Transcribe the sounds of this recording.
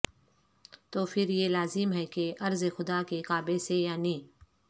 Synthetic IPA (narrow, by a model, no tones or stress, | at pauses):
t̪oːfʰɪɾjelaːzɪmɦɛkeʔɐɾzexʊd̪aːkekaːbesejaːnĩː